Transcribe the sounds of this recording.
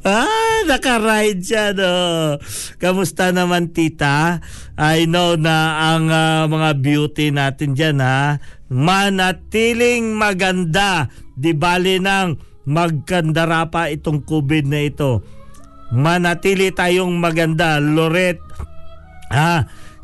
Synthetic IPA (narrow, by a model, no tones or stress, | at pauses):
anɐkɐɾajd̪̚d͡ʒano | kɐmʊst̪anɐmant̪iːt̪ɐ | ʔɐjnownɐːŋamɐŋabjuːt̪ɪnaːt̪ɪnd͡ʒanha | mɐnɐt̪iːlɪŋmɐɡɐnd̪ad̪ɪbaːlɪnɐŋ | mɐɡ̚kɐnd̪ɐɾapɐɪt̪o̞ŋkuːbɪd̪̚nɐɪt̪o̞ | mɐnɐt̪iːlɪt̪aːjoŋmɐɡɐnd̪aloɾɛt̪̚ | ha